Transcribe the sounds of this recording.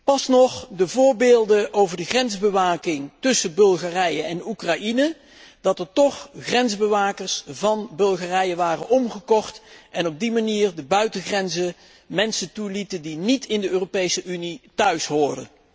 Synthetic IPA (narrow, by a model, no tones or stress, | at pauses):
pɑsnɔχdəvʊːɹbeːlˠdəʔowvəɹdəχrɛnzbəʋaːkɪŋtɵsəbɵlˠχaːrɛjəɛnukrɑinə | d̥ɑtəɹtɔχχrɛnzbəʋaːkəɹsvɑnbɵlˠχaːrɛjəʋaːrənʔɔmχəkɔχtʔɛnɔb̚dimaniːɹdəbœɥtəχrɛnzə | mɛnsəntulitəndinitʰɪndəøːropejsəʔynitœɥsɦʊːɹdə